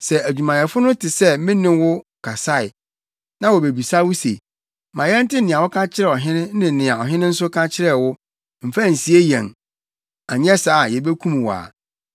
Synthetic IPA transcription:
sɛ˨æ˨d͡ʑᶣu˨mã˨jɛ˨fʊ˦nʊ̃˦tʰɪ˨sɛ˦mɪ̃˦nɪ̃˦wʊ˦kʰa˨sa˦˨ɪ˨ | nã˦wɔ˨be˨bi˨sa˦wʊ˦sḛ˨ | mã˨jɛ˦n̩˦tɪ˦nɪ̃˨a˨wʊ˦kʰã˦t͡ɕʰɪ˦ɾɛ˨ɔ˨ɦɪ̃˦nɪ̃˦nɪ̃˨nɪ̃˨a˨ɔ˨ɦɪ̃˦nɪ̃˦n̩˦sʊ˦kʰa˦t͡ɕʰɪ˦ɾɛ˨wʊ˦ | m̩˨fæ˦˨n̩˨si˨e˦jɛ̃˨ŋ | a˨ɲ˦ɛ˦sa˨˦˨jɛ˨be˦kʰũ˦m˨wɔ˨a̰˨

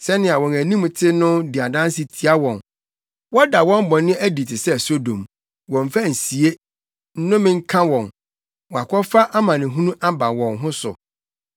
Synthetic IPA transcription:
sɛ˦nɪ̃˨a˨wɔ̃˨næ˨nĩ˦m˨tʰɪ˦nʊ̃˦di˨a˨dã˦n˦sɪ˦tʰi˨a˦wɔ̃˨n | wɔ˦da˨wɔ̃˦m˦bɔ̃˨nːɪ̃˦ʔæ˦di˨tʰɪ˨sɛ˦˨so˦dõ̰˨m | wɔ̃˨ɱ˨fa˦n̩˨si˨e˦ | n̩˦nʊ̃˦mɪ̃˦ŋ̩˦kʰã˦wɔ̃˨n | wɔ˨a˨kʰɔ˦fa˦ʔa˦mã˨nɪ̃˨ɦũ˦nũ˦ʔa˦ba˨wɔ̃˨nɦʊ̃˦sʊ̰˨

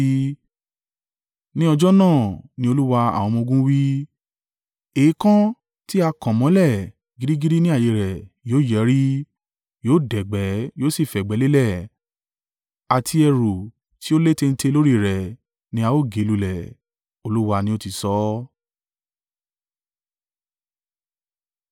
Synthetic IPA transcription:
nĩ˦ɔ˧d͡ʒɔ˦nãː˦˨nĩ˧˦o˧lu˦wa˧a̰˨w̃ɔ̃˧mɔ̃˧ɡũ˦wi˦ | e˨i˦kã˦ | ti˦a˧kã˨mɔ̃˨˦lɛ˦˨ | ɡi˨˦ɾi˦ɡi˦ɾi˦nĩ˦a˦˨je˧ɾɛ˨joː˨˦˨jɛ˨˦ɾi˦ | joː˨˦˨dɛ˨ɡ͡bɛ˨˦joː˦si˦˨fɛ˨ɡ͡bɛ˨˦le˦lɛ˦˨ | a˨tʰi˧ɛ˧ɾo˨ | ti˦o˦le˦te˧n̩˦te˧lo˦ɾi˦˨ɾɛ˨ | nĩ˦a˧o˦˨ɡe˨˦lu˧lɛ˨ | o˧lu˦wa˧nĩ˦o˦ti˧sɔ˨˦

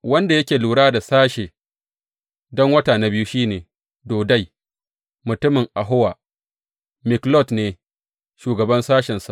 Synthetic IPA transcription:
wɐ˦nda˨jɐ˦kʲeː˨luː˨ɽaː˦da˨saː˦ʃe˨ | dɔ˦ŋwɐ˦taː˨na˨˦bɪ˦ju˦ʃiː˦neː˨ | doː˨da˦˨j | mʊ˨tʊ˦mɪ˨ŋʔa˨ɦʊ˦waː˨ | mɪ˨klɔ˦˨tneː˨ | ʃuː˨ɡɐ˨bɐ˦nsaː˦ʃɛ˨nsa˨ʔ

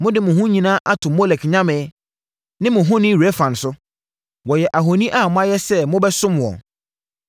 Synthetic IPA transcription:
mʊ̃˦dɪ˦mʊ̃˨ɦũ˦ɲĩ˨nãː˦ʔa˦tʰʊ̃˨mɔ˦lɛ˨kɲã˦mɪ̃˨˦ | nɪ̃˦mʊ̃˨ɦʊ̃˦nɪ̃˦ɾe˦fã˨n˨sʊ˦ | wɔ˨jɛ˨ʔa˨ɦo˨nĩ˦ʔa˦˨mʊ̃˦a˦jɛ˦sɛ˦mʊ̃˦bɛ˦sʊ̃˦m˨wɔ̰̃˨

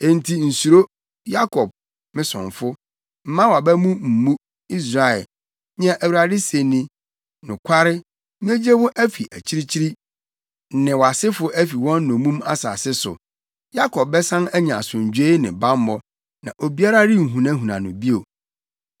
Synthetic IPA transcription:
e˦˨n̩˨˦tʰi˦n̩˨su˨ɾo˦ | ja˦kʰɔ˨b̚ | mɪ̃˦sʊ̰̃˨nfʊ˦ | m̩˦mã˦wa˨bæ˦mũ˦m̩˨mũ˦ | i˦s̬ɾa˨ɛ̰˨l | ɲ˦ã˦ʔæ˨wu˨ɾa˨dɪ˦se˨nĩ˦ | nʊ̃˨kʷʰa˦ɾɪ˦ | m˦e˦d͡ʑe˦bʊ˦ʔæ˦fi˨ʔæ˨t͡ɕʰi˦ɾi˦t͡ɕʰi˦ɾi˦ | nɪ̃˨wɔ˨a˨sɪ˦fʊ˦ʔæ˦fi˨wɔ̃˦nː˦ʊ̃˨mũ˦ma̰˦sa̰˨sɪ˦sʊ̰˨ | ja˦kʰɔ˨b̚bɛ˦sã˦næ˦ɲã˨sʊ̃˨ɲ˨d͡ʑᶣe˦nɪ̃˨ba˦mː˦ɔ˦ | nã˨ʔo˨bi˦a˦ɾa˦ɾɪ˦ŋ̩˨ɦũ˨nã˦ɦũ˨nã˨nʊ̃˨bi˦o˨

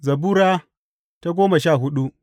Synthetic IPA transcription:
zɐ˨buː˦ɾaː˦ | ta˦ɡʷoː˦ma˨ʃaː˦˨ɦʊ˦ɗu˦ʔ

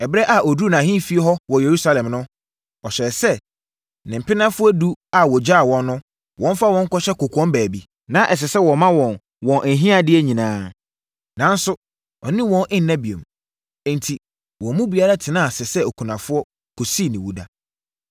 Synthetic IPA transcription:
ɛ˨bɾɛ˦ʔa˨ʔɔ˨du˦˨nã˨ɦĩ˦fi˦ɛ˦ɦɔ˦wɔ˨je˨ɾu˦sa˦lɛ̃˨mnʊ̃˦ | ɔ˨ɕɛ˨ɾɛ˨sɛ˦ | nɪ̃˨m̩˨pɪ˦nã˦fʊ˦ɔ˦du˦a˨wɔ˨d͡ʑaː˦˨wɔ̃˨nːʊ̃˦ | wɔ̃˦n˦fa˦wɔ̃˦ŋ̩˦kɔ˦ɕɛ˦ko˨kʰɔ̃˦mbæː˨bi˦ | nã˦ʔɛ˨s̬ɛ˨sɛ˦wɔ˨mã˦wɔ̃˨n | wɔ̃˨nʔæ˨ɦĩ˦a˦dɪ˦ɛ˦ɲĩ˨nãː˦ | nã˨˦n̩˦sʊ˦ | ɔ̰˨nɪ̃˦wɔ̃˦nʔɪ̃˦nː˦ɛ̃˦bi˨õ̰˨m | ɛ̃˨ntʰi˨ | wɔ̃˨˦mũ˦bi˨a˦ɾa˦tʰɪ˨nã˦˨sɛ˨sɛ˦o˨kʰũ˨nã˨fʊ˦ɔ˦ | kʰo˨si˦˨nɪ̃˨wu˨da˨

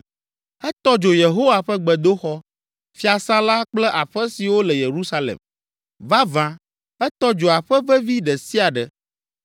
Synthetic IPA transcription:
ɛ˦t̪ɔ˦d͡ʒo˨je˨ɦo˦wa˨ɸɛ˦ɡ͡bɛ˨d̪o˦xɔ˦ | fi˦a˨sã˦la˦k͡plɛ˦ʔa˨ɸɛ˦si˨wo˦lɛ˨je˨ɾu˦sa˦lɛ̰˨m | va˦vã˦ | ɛ˦t̪ɔ˦d͡ʒo˨a˨ɸɛ˦vɛ˦vi˦ɖɛ˨si˦a˨ɖɛ˨

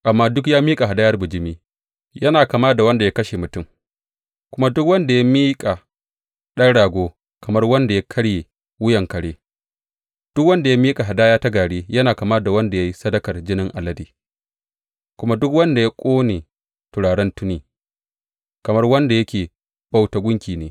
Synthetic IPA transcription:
ʔa˨mːaː˦dʊ˦kjaː˦miː˦kʼa˨ɦa˨da˦jɐ˦rbʊ˨d͡ʒɪ˦miː˦ | jɐ˦naː˨ka˨maː˦da˨wɐ˦nda˨ja˦kɐ˦ʃe˨mʊ˨tʊ˦˨m | kʷʊ˦ma˦dʊ˦kwɐ˦nda˨ja˦miː˦kʼa˨ | ɗɐ˦ŋɽaː˨ɡʷoː˦ | kʰɐ˨mɐ˦rwɐ˦nda˨ja˦kʰɐ˦ɽjeː˨ | wʊ˦jɐ˨ŋkɐ˨ɽeː˦ | d̥ʊ˦k̚wɐ˦nda˨ja˦miː˦kʼa˨ɦa˨daː˦jaː˦ta˦ɡaː˨ɽeː˦jɐ˦naː˨kɐ˨maː˦da˨wɐ˦nda˨ja˦ji˦sɐ˦dɐ˦kɐ˨rd͡ʒɪ˦nɪ˦ŋʔa˨lɐ˦diː˨ | kʷʊ˦ma˦dʊ˦kwɐ˦nda˨ja˦kʷʼoː˦neː˨ | tʊ˨ɽaː˨ɽɛ˦ntʊ˦niː˦ | kɐ˨mɐ˦rwɐ˦nda˨jɐ˦kʲeː˨ | b̥a˦wta˨ɡʷʊ˦ŋkʲiː˨neː˦

